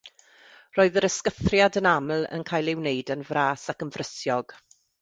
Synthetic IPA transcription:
roːɨðəɾəskəθrjadənaml̩ˠə̰nkʰajlɪwnejdənvraːsakənvrəsjɔɡ̥

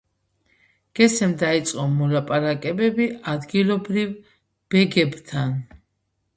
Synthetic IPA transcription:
ɡ̥ɛsɛmd̪ait̪sʼqʼɔmɔlapʼaɾakʼɛbɛbiad̪ɡilɔbɾiv | b̥ɛɡɛbt̪ʰan

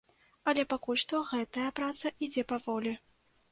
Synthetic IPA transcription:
ɐlʲɛpakulʲʂt̪ɔɣɛt̪ɐjɐpɾat̪sɐʔid͡zʲɛpavɔlʲi

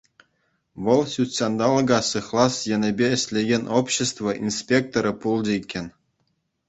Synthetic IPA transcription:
ʋɤ̆lˠɕʲut̪ʲsʲɑnd̪ɑlˠɤ̆ɡɑsɯχlˠɑsjɘ̆nʲɘ̆bʲeɘ̆ɕʲlʲeɡʲenʲʔopɕĕst̪ʋŏʔinspʲek̚t̪oɾɤ̆pulˠd͡ʑɘ̆ikʲːĕnʲ

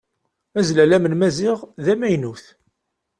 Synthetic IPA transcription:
æzlælæmənmæzɪʁðæmæjnuθ

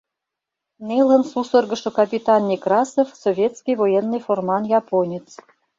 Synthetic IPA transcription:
nʲelə̆nsusɤ̆rɡɤ̆ʃɤ̆kɑpʲit̪ɑnːʲekrɑsŏfsovʲjet̪skʲijvojenːɤjformɑnjɑponʲet͡s

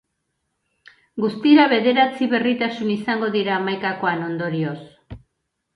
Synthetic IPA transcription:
ɡust̪iɾaβe̞ðe̞ɾat͡siβe̞rit̪asunisaŋɡo̞ðiɾaːmajkako̞ano̞nd̪o̞ɾio̞s

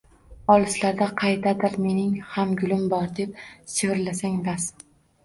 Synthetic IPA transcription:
ɒlˠɪslaɾd̪aqʰɑjd̪ad̪ɪɾme̞nɪŋhamɡʲʊlɪmbɒɾd̪e̞p̚sevɪɾlasaŋbas

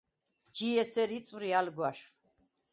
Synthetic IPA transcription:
d͡ʒiɛsɛɾit̪sʼvɾialɡwaʃ

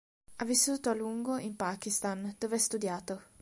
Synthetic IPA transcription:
avisːuːt̪oaluŋɡoʔimpaːkist̪and̪̥oːveast̪ud̪jaːt̪o

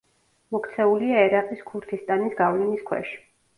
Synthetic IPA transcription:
mɔkʰt̪sʰɛuliaɛɾaqʼiskʰuɾt̪ʰist̪ʼanisɡavliniskʰwɛ̰ʃi̥

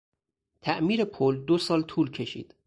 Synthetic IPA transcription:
t̪ʰæʔmiːɾe̞pʰold̪osɒːlt̪ʰuːlcʰe̞ʃḭːd̪̥

